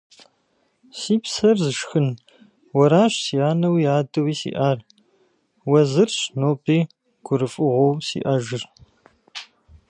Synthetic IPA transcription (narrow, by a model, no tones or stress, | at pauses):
siːpsɐrzɨʂxɨn | wɐɾaːɕsijaːnɐwiaːdɨwiːsḭːʔaːr | wɐzɨrɕnoːpʼiː | ɡ̥ʷʊɾɨfʼɨʁʷowmsḭːʔɐʒɪr